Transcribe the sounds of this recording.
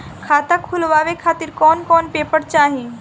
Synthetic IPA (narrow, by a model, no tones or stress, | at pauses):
kʰaːt̪akʰːʊlʋaːʋekʰaːt̪ɪɾkɔːnkɔːnpeːpəɾt͡ʃaːɦĩ